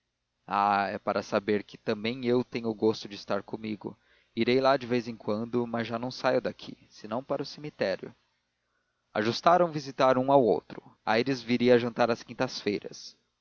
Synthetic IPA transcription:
aɛpaɾɐsabeɾkɪ̥t̪ɐ̃mbẽj̃ewt̪ẽɲʊːɡost̪ʊd͡ʒɪst̪aɾkõmiɡʊ̰ | iɾejlad͡ʒɪvejzẽkwɐ̃nd̪ʊmɐzʒanɐ̃w̃sajʊd̪akʰḭsɪnɐ̃w̃paɾʊsemit̪ɛɾjʊ̰ | a̰ʒust̪aɾɐ̃w̃vizit̪aɾũawo̰wt̪ɾʊa̰jɾɪzviɾiɐaʒɐ̃nt̪aɾɐskĩnt̪ɐsfejɾɐ̰s

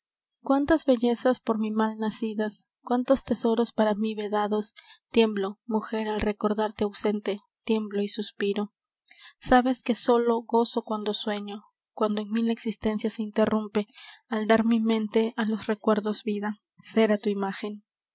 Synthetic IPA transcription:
kwant̪azβe̞ʝe̞saspo̞ɾmimalnasiðas | kwant̪o̞st̪e̞so̞ɾo̞spaɾamiβeðaðo̞st̪je̞mblo̞muxe̞ɾalre̞ko̞ɾðaɾt̪eawse̞nt̪e̞ | t̪je̞mblo̞isuspiɾo̞ | saβe̞ske̞so̞lo̞ɣo̞so̞kwand̪o̞swe̞ɲo̞ | kwand̪oeŋmilaeksist̪e̞nsjaseint̪e̞rumpe̞ald̪aɾmimẽ̞nt̪e̞alo̞sre̞kwe̞ɾðo̞zβiða | se̞ɾat̪uimaxe̞n

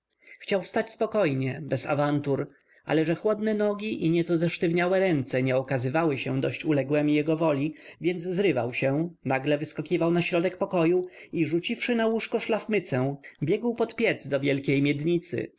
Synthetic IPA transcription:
xt͡ɕawfst̪at͡ɕspɔkɔjɲɛbɛsa̰vant̪uɾ | ʔa̰lɛʐɛxwɔd̪nɛnɔɡʲiʔiɲɛt̪sɔzɛʂt̪ɘvɲawɛɾɛnt̪sɛɲɛɔkazɘvawɘɕɛ̃d̪ɔɕt͡ɕulɛɡwɛmʲijɛɡɔvɔlʲivʲjɛnd̪zzɾɘvawɕɛnaɡlɛvɘskɔkʲivawnaɕɾɔd̪ɛkpɔkɔjuiʐut͡ɕifʂɘnawuʂkɔʂlafmɘt̪sɛ̃bʲjɛɡwpɔt̪pʲjɛd̪zd̪ɔvʲjɛlkʲejmʲjɛd̪ɲit̪sɘ̰

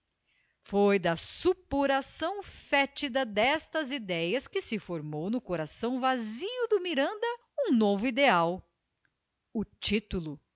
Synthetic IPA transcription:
fojd̪ɐsupuɾasɐ̃w̃fɛt͡ʃid̪ɐd̪ɛst̪ɐzid̪ɛjɐskɪsɪfoɾmownʊkoɾasɐ̃w̃vaziʊd̪ʊmiɾɐ̃nd̪ɐ | ũnovʊid̪eaw | ʊt͡ʃit̪ulʊ

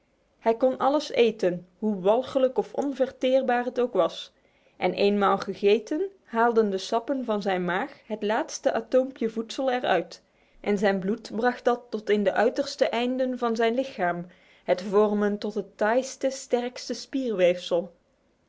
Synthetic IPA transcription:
hɛjkɔnʔɑ̰ləsḛjtənɦuʋɑlˠχələkɔfɔnvɛɹtɪːrbaːrɦətowkʋɑs | ʔɛnʔejnmaːlˠχəχejtən | ɦaːlˠdəndəsɑpənvɑnzɛjnmaːxɦətlaːtstəʔaːtowmpjəvutsəlˠɛɹœ̰ɥt | ʔɛnzɛjnblutbrɑχt̚dɑtːɔtɪndəʔœɥtəɹstəʔɛjndənvɑnzɛjnlɪxaːm | hətvɔrməntɔtɦətːajstəstɛrkstəspiːrʋejfsəlˠ

